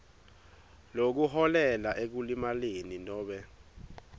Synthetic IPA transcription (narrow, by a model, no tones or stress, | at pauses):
lok̬uhɔlɛlaʔek̬ulimaleninɔːɓɛ